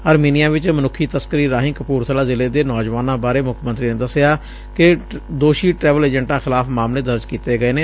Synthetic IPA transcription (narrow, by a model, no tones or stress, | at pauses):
əɾmiːnɪjaːʋɪt͡ʃmənʊkʰːiːt̪əskəɾiːɾaːɦɪ̃nkəpuːɾt̪ʰəlaːzɪleːd̪eːnɔːd͡ʒʋaːnãːbaːɾeːmʊkʰmənt̪ɾiːneːd̪əsɪjaː | kɪd̪oːʃiːʈɾɛːʋəleːd͡ʒə̃ɳʈãːxɪlaːpʰmaːmleːd̪əɾd͡ʒkiːt̪eːɡəeːneː